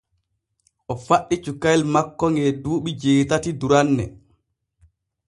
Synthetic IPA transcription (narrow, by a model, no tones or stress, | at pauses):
ʔɔfaɗːit͡ʃukajlmakːɔŋɡɛduːɓid͡ʒeːtatiduɾanːɛ̰